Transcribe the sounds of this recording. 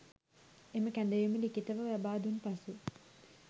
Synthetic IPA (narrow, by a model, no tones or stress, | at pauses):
eməkænd̪əjumilikit̪əʋəʋæbaːd̪unpasu